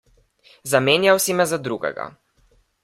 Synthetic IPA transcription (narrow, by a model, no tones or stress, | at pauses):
zameːnjawsimɛzad̪ɾuɡɛ̰ɡa̰